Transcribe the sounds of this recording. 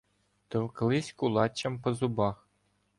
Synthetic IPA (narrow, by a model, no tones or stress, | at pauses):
t̪ɤ̆wklˠɪsʲkulˠɑt͡ɕːɐmpɔ̆zubɑx